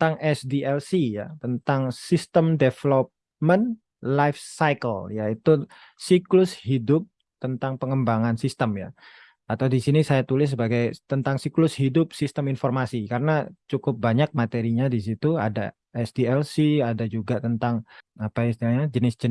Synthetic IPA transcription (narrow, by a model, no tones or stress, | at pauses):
t̪aŋɛsdiɛlsija̰t̪ənt̪aŋsist̪əmdefəlɔp̚ | mən | lajfsajkəljait̪u | siklʊshidʊp̚ | t̪ənt̪aŋpəŋəmbaŋansist̪əmja̰ | at̪awdisinisajat̪ulɪs̬ːəbaɡajt̪ənt̪aŋsiklʊshidʊp̚sist̪əminfɔrmasikaɾənat͡ʃukʊp̚baɲak̚mat̪eɾiɲadis̬it̪ua̰da̰ | ɛsdiɛlsiadad͡ʒuɡat̪ənt̪aŋapaist̪ilaɲad͡ʒənɪsd͡ʒən